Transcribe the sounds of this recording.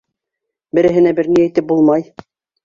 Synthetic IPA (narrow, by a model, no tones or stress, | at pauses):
bɘ̆ɾɘ̆ɦɘ̆næbɘɾnijæjt̪ɘp̚bulˠmɑj